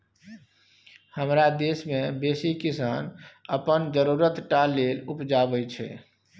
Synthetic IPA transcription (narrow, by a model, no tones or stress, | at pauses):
həmɾad̪esmẽbeːsikisaːnəpənd͡ʒəɾuɾət̪ʈalelupd͡ʒabəjt͡ʃʰɛ̰